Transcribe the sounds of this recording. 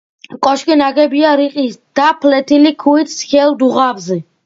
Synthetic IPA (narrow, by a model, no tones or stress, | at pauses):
kʼɔʃkʼinaɡɛbiaɾiqʼisd̪̥apʰlɛt̪ʰilikʰuit̪skɛld̪uʁavzɛ